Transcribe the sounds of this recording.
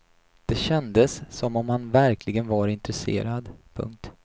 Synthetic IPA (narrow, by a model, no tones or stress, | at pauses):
d̪̥ɛɕɛnd̪əsːɔmɔmhanvæɾkʰlɪɡənvaɾɪnt̪ɾɛsḛːɾad̪pʰɵ̰ŋk̚t̪